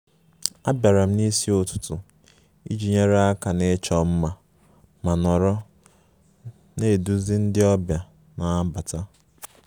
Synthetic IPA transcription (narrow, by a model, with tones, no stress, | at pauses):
a˦bja˨ɾa˨m̩˦ni˦si˦o˦tʊ̥˦tʊ˨ | ḭ˦d͡ʒi˨ɲe˦ɾe˦a˦ka˨ne˦t͡ʃɔ˨m̩˦ma˨ | ma˨nɔ˨ɾɔ˦ | ne˦˨du˦zi˦n̩˦dɪ˦ɔ˦bja˨ | na˨˦ba˨ta˦